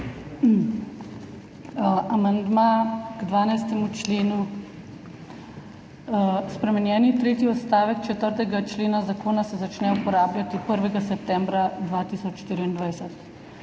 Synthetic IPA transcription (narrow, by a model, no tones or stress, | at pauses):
ʔamand̪maɡd̪ʋaːnajst̪ɛmut͡ʃleːnu | spɾɛmɛnjɛːnit̪ɾeːt̪iɔt̪st̪aːʋɛkt͡ʃɛt̪əɾt̪ɛɡat͡ʃleːnazakoːnasɛzat͡ʃnɛupɔɾaːblʲat̪ipəɾʋɛɡasɛp̚t̪ɛ̃mbɾad̪ʋat̪isɔt͡ʃʃːt̪iɾiind̪ʋajsɛt̪